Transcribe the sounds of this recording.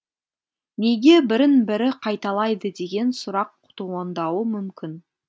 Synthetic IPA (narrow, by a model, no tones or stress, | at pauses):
neɡʲe̞bɪɾɪnbɪɾɪqʰɑjt̪ɑlˠɑjd̪əd̪e̞ɡʲe̞nsʊɾɑqʰːʊ̥t̪uɑnd̪ɑwəmʏmkʲɪn